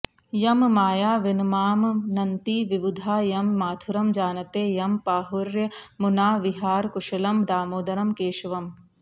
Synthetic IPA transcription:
jɐmmaːjaːʋɪnmaːmnɐnt̪iʋiʋud̪ʱaːjɐmːaːt̪ʰuɾɐmd͡ʒaːnɐt̪eːjɐmpaːɦuɾjɐmunaːʋiɦaːɾkuʃɐlɐmd̪aːmoːd̪ɐɾɐmkeːʃʋɐm

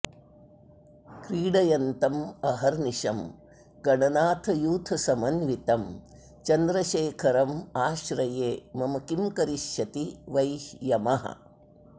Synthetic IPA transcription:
kɾiːɽɐjɐnt̪ɐmɐɦɐɾniʃɐm | ɡ̥ɐɳɐnaːt̪ʰɐjuːt̪ʰɐsɐmɐnʋit̪ɐm | t͡ʃɐnd̪ɾɐʃeːkʰɐɾɐmaːʃɾɐjeːmɐmɐkimkɐɾiʃjɐt̪iʋɐjhjɐmɐɦɐ̰

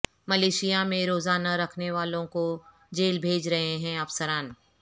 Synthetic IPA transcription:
mɐleːʃijamẽɾoːzaːnaɾɐkʰneʋaːlõko | d͡ʒeːlbʱeːd͡ʒɾɐɦeɦɛ̃ɐfsəɾaːn

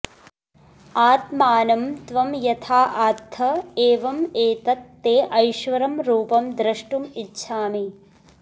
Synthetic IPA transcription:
aːt̪maːnɐmt̪ʋɐmjɐt̪ʰaːʔaːt̪ʰːɐeːʋɐmeːt̪ɐt̪ːeːʔɐjʃʋɐɾɐmɾuːpɐmd̪ɾɐʂʈumitːʃʰaːmi

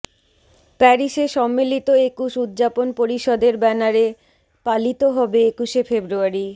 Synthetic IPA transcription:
pɛɾiʃeʃɔmːilit̪oekuʃud̪ːd͡ʑaponpoɾiʃɔd̪eɾbɛnaɾe | palit̪oɦɔbeekuʃefebɾuaɾi

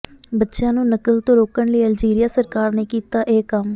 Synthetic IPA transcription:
bətːʃjãːnũːnəkəlt̪õːɾoːkəɳləiːəld͡ʒiːɾijaːsəɾkaːɾneːkiːt̪aːʔeːkəm

